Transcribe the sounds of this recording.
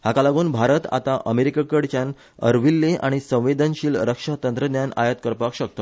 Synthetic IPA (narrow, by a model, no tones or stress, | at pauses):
hakalaɡuːnbʱaɾət̪a̰t̪aʔəmeɾikakəɽt͡ɕan | ə̰ɾʋilːeʔaɽ̃isə̃w̃ʋed̪ənɕiːlɾəkʂat̪ənt̪ɾənjana̰jət̪kəɾpakɕək̚t̪o